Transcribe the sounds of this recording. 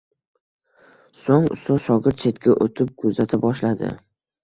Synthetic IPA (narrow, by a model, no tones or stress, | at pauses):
soŋʊ̰st̪ɒʃɒɡʲɪɾt̪̚t͡ʃʰe̞t̪kʲaʔot̪ʰɪp̚kʰɵzat̪ʰɪbɒʃlad̪ɪ̰